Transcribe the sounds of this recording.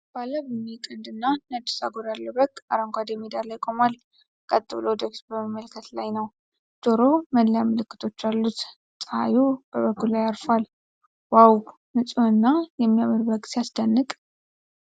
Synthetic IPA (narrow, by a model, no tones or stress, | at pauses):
b̥alːəbəmːikʼənd̪ɨnːanəd̪ɨsa̰ɡoɾalːəbəkʼːa̰ɾəŋkʷad̪ɛmid̪aɾlajkʼomal | kʼət̪ʼːɨβlod̪əksbəməmːəlkʰət̪lajnəw | d̪̥oɾo̞mənljaməlɨkːɨt̪ʰo̞t͡ʃːalːut̪ | sʼəa̰jub̥əβəkːulajaɾfal | waw | nɨsʼunɨnːajɛmːijaməɾbəkʼsjasd̪ənːɨkʼ